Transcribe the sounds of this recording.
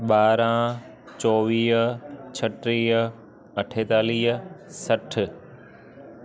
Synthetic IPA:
ɓaːɾã | t͡ɕɔːʋiːɦt͡ɕʰɐʈɾiːɦ | ɐʈʰeːt̪aːliːɦəsɐʈʰ

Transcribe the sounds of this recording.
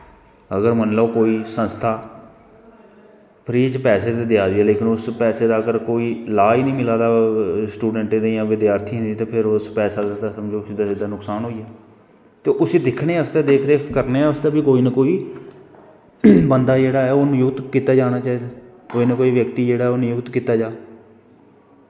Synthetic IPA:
əɡəɾmənloːkoːiːsə̃nst̪ʰaː | pʰɾiːt͡ʃpɛːseːt̪eːd̪ɪjaːd̪iːaːleːkʰənʊspɛːseːd̪aːəɡəɾkoːiːlaːinĩːmɪlaːd̪aːsʈuːɖəɳʈed̪ejãːʋɪd̪jaːɾt̪ʰiːɦɪ̃nd̪iːt̪õːpʰɪɾʊspɛːsaːd̪aːt̪ːsəmd͡ʒoːsiːd̪aːsɪd̪aːnʊksaːnɦoːiːɛː | t̪eːʔʊsiːd̪ɪkʰɽeːəst̪eːd̪eːkʰd̪eːkəɾneːəst̪eːbiːkoːiːnəkoːiː | bənd̪aːd͡ʒeːɽaːɛːoːnũjʊkt̪kiːt̪aːd͡ʒaːnaːt͡ʃaːɦiːd̪aː | koːiːnəkoːiːʋjəkt̪iːd͡ʒeːɽaːɦɛonjʊkt̪kiːt̪aːd͡ʒaː

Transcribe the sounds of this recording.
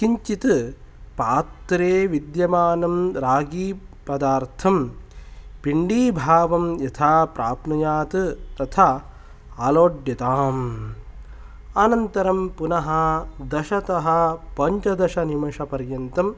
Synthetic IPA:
kiɲt͡ʃit̪ɨ | paːt̪ɾeːʋid̪jɐmaːnɐmɾaːɡiː | pɐd̪aːɾt̪ʰɐm | piɳɖiːbʱaːʋɐmjɐt̪ʰaːpɾaːpnɐjaːt̪ɨt̪ɐt̪ʰa | aːloːɖjɐt̪aːm | ɐnɐnt̪ɐɾɐmpunɐɦɐd̪ɐʃɐt̪ɐɦɐ̆pɐɲt͡ʃɐd̪ɐʃɐnimɐʃɐpɐɾjɐnt̪ɐm

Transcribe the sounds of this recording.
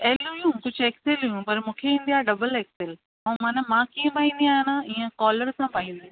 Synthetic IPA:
ɛɦlũjũkʊd͡ʑʱeːkselujũpɐɾmũːkʰeĩːn̆d̪ijaːɖɐbəleːkseːl | ɐ̃ːmaːnamãːkiẽpaːĩːn̆d̪iaːjnãiːə̃kɔːləɾsãpaːĩːnd̪i

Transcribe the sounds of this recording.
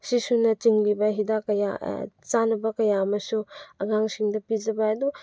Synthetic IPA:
sisunɐt͡ʃiŋlibɐɦidakɐja̰t͡ʃanɐbɐkɐjaɐmɐsuɐɡaŋsiŋdɐpid͡ʒɐbɐɐdu

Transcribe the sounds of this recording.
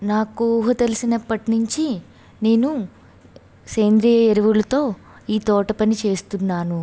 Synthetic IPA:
naːkuɦɐt̪elisinɐpːɐʈinuɲt͡ʃi | ne̞ːnu | seːnd̪ɾijɐeɾiʋulɐt̪o̞ː | iːt̪ɔːʈɐpɐnit͡ʃe̞ːst̪unːaːnu

